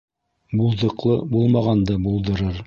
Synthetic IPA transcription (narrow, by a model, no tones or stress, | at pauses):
bulˠðɤ̆qlˠɤbulˠmɑʁɑnd̪ɤbulˠd̪ɤ̆ɾɤɾ